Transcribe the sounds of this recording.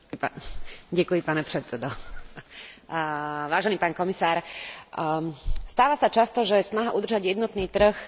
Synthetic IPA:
paɟɛkujipaːnɛpɾɛt̪t͡sɛd̪ɔ | ʋaːʒɛniːpaːnkɔmisaːɾ | st̪aːʋasat͡ʃast̪ɔʒɛjɛsnaɦaʔud̪r̩ʒaɟjɛd̪nɔt̪niːt̪r̩x

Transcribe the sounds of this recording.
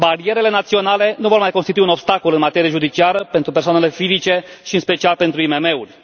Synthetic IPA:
baɾie̞ɾe̞le̞nat̪sio̞nale̞nuvo̞rmajkonst̪it̪uiuno̞bst̪ako̞lɨnmat̪e̞ɾieʒud̪it͡ʃiaɾəpe̞nt̪ɾupe̞rsoanele̞fizit͡ʃe̞ʃiɨnspe̞t͡ʃialpe̞nt̪ɾuime̞me̞urʲ

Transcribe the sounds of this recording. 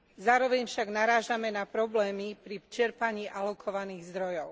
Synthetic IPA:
zaːɾɔʋɛɲfʃaɡnaɾaːʒamɛnapɾɔblɛːmipɾit͡ʃɛɾpaɲiːʔalɔkʰɔʋaniːɣzd̪ɾɔjɔʊ

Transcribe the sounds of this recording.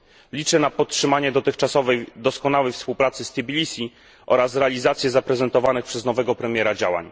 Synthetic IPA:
lʲit͡ʂɛnapɔt̪tʂɘmaɲɛd̪ɔt̪ɘxt͡ʂasɔvɛjd̪ɔskɔnawɛjfspuwpɾat̪sɘst̪ibʲilʲisʲi | ʔɔ̰ɾasɾɛalʲizat̪sʲjɛzapɾɛzɛnt̪ɔvanɘxpʂɛznɔvɛɡɔpɾɛmʲjɛɾad͡ʑawa̰ɲ

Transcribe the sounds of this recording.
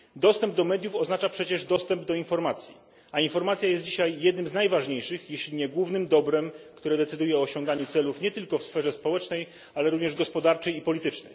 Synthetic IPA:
d̪ɔst̪ɛmb̚d̪ɔmɛd̪jufɔznat͡ʂapʂɛt͡ɕɛʐd̪ɔst̪ɛmbd̪ɔinfɔɾmat̪sʲjḭ | ainfɔɾmat̪sʲjajɛst̪d͡ʑiɕajːɛd̪̚nɘmznajvaʐɲejʂɘxjeɕlʲiɲɛɡwuvnɘmd̪ɔbɾɛmkt̪uɾɛd̪ɛt̪sɘd̪ujɛɔːɕɔŋɡaɲut̪sɛlufɲɛt̪ɘlkɔfsfɛʐɛspɔwɛt͡ʂnɛj | alɛɾuvɲɛʐɡɔspɔd̪aɾt͡ʂɛjipɔlʲit̪ɘt͡ʂnɛ̰j

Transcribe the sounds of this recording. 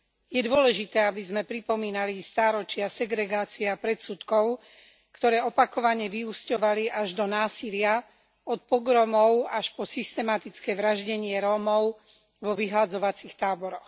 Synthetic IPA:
jɛd̪ʊɔlɛʒit̪ɛːabizmɛpɾipɔmiːnalist̪aːɾɔt͡ʃɪasɛɡɾɛɡaːt͡siɛapɾɛt̪sut̪kɔʊ | kt̪ɔɾɛːɔpakɔʋaɲɛʋiuscɔʋaliʔaʒd̪ɔnaːsilɪa | ɔt̪̚pɔɡɾɔmɔʊaʃpɔsist̪ɛmat̪it͡skɛʋɾaʒɟɛɲɪɛɾɔːmɔʊ | ʋɔʋiɦlad͡zɔʋat͡sixt̪aːbɔɾɔx

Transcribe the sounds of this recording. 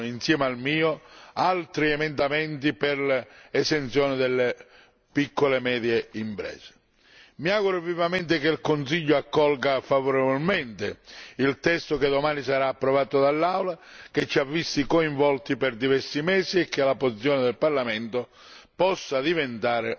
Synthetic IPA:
insjɛːmealmiːoalt̪ɾiɛmɛnd̪amɛnt̪iperlɛsent̪sjɔːnɪd̪elːe | pikʰːolemɛːd̪jeimpɾɛ̰ːse̥ | miaːɣuɾovivamɛnt̪ɪkelkonsiʎːʊakːɔlɡafavoɾevolmɛnt̪ɪilt̪ɛst̪oked̪omaːnisaɾaːpːɾɔvaːt̪od̪alːawlaket͡ʃːiavːist̪ikoiɱvɔlt̪iperd̪ivɛrsimɛːsiekːeɪlapːosit̪sːjɔːnɪd̪elparlamɛnt̪o | pɔsːad̪ivent̪aːɾe

